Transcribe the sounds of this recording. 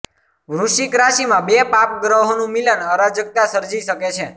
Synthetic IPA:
ʋɾuʃikɾaʃimãbepap̚ɡɾəɦonũmilənəɾad͡ʒək̚t̪asəɾd͡ʒiʃəket͡ʃʰe

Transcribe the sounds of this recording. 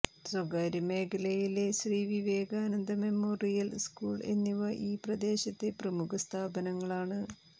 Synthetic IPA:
swɐɡaːɾɐme̞ːkɐlɐjile̞ɕriːʋiʋeːɡaːnɐnd̪ɐme̞mːoːrijɐlskuːɭe̞̰nːiʋɐʔiːprɐd̪e̞ːɕɐt̪ːe̞prɐmukʰɐst̪ʰaːbɐnɐŋːɐɭaːɳɨ

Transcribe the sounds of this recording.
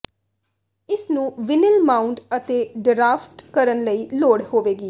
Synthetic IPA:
ɪsnũːʋɪnɪlmaːʊɳʈət̪eːɖɾaːfʈkəɾənləiːloːɽhoːʋeːɡiː

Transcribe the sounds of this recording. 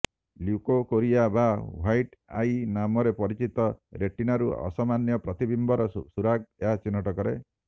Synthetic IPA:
ljukokoɾiabawajʈa̰jnamɔɾepɔɾit͡ʃit̪ɔɾeʈinaɾuɔ̰samanjɔpɾɔt̪ibimbɔɾɔsuɾaɡ̚eɦat͡ʃinːɔʈɔkɔɾe

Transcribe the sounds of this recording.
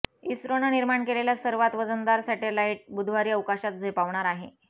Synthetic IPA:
isɾonəniɾmaɳkeleljasəɾʋat̪ʋəd͡zənd̪aɾsɛʈelaiʈ̚bud̪ʱʋaɾiːəʋkaɕat̪̚d͡zʱepaʋɳaɾaɦe

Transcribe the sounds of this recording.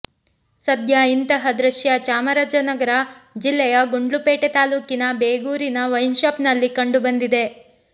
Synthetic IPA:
sɐd̪jaint̪ɐɦɐd̪ɾɐʃjɐt͡ʃaːmɐɾaːd͡ʒɐnɐɡɐɾɐ | d͡ʒilːɛjɐɡuɳɖlupeːʈet̪aːluːkinɐbeːɡuːɾinɐʋɐjnʃaːpnɐlːikɐɳɖubɐnd̪id̪e̞

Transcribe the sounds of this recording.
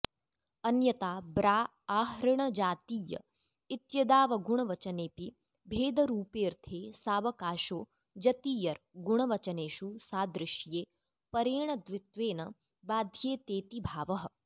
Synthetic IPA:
ɐnjɐt̪aːbɾaː | aːɦɾɐɳ̃ɐd͡ʒaːt̪iːjɐ̰ | it̪jɐd̪aːʋɐɡuɳ̃ɐʋɐt͡ʃɐneːpi | bʱeːd̪ɐɾuːpeːɾt̪ʰeːsaːʋɐkaːʃoː | d͡ʒɐt̪iːjɐɾɡuɳ̃ɐʋɐt͡ʃɐneːʃusaːd̪ɾɪʃjeː | pɐɾeːɳɐd̪ʋɪt̪ʋeːnɐ | baːd̪ʱjeːt̪eːt̪ibʱaːʋɐɦɐ̆

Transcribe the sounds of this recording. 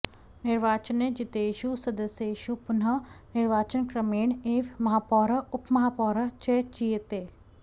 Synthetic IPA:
nɪɾʋaːt͡ʃəned͡ʒɪt̪eːʃusɐd̪əseʃupʊnanɪɾʋaːt͡ʃənkɾɐmeːɳeːʋmɐɦaːpɔːɾɐʊpmɐɦaːpɔːɾɐt͡ʃeːt͡ʃijet̪e

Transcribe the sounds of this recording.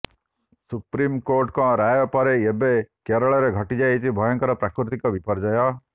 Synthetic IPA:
supɾimkoɾʈkɔ̃ɾajɔpɔɾeebekeɾɔɭɔɾeɡʱəʈid͡ʒajt͡ʃʰibʱɔjɔ̃ŋkɔɾɔpɾakɾut̪ikɔʋipɔɾd͡ʒajɔ

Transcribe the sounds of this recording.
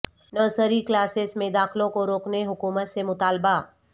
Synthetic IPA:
nəːsəɾiklaːsesmẽd̪aːxlõkoɾoːkneɦʊkuːmət̪semʊt̪aːlba

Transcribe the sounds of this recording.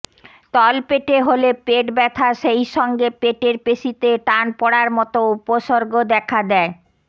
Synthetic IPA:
t̪ɔlpeʈeɦolepeʈbɛt̪ʰaʃejʃɔŋɡepeʈeɾpeʃit̪eʈanpɔɽaɾmɔt̪oupoʃoɾɡod̪ɛkʰad̪ɛe

